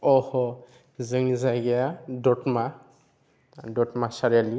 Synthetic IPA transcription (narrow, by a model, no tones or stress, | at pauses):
ɔhɔ | zɯŋzaɡijadɔtma | dɔtmasaɹali